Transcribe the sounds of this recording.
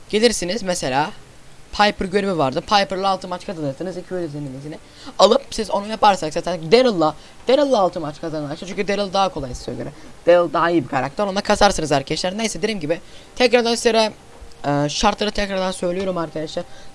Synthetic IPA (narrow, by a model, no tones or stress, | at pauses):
ɟ̥elʲiɾsinizmɛse̞lʲaː | pʰajpʰɯɾɟøɾymivaɾd̪ɯpʰajpɯɾlˠaːlˠt̪ʰɯmat͡ʃkʰad̪ɯnɯɾsɯnɯzicʰyød̪yzeminizinɪ | alˠɯp̚sizo̞nujapaɾsaksat̪ʰænd̪eɾɯlˠːa | d̪̥eɾɯlˠːaːlˠt̪ʰɯmat͡ʃkʰazanɯlˠaʃat͡ʃyɲʲcʰyd̪eɾɯlˠd̪aɦakʰo̞lˠajsɯ̥søjlʲieɾmd̪̥eɾɯlˠd̪aɦaijibikʰaɾak̚t̪ʰɛɾo̞nd̪akʰazaɾsɯnɯzaɾkʰaɛʃlʲæɾnejsed̪eɾimɟibɪt̪ʰɛcɾaɾd̪anislʲeɾɛ | ɯːʃaɾt̪lˠaɾɯt̪ʰɛcɾaɾd̪ansø̞jlʲijo̞ɾumaɾkʰad̪aʃlaɾ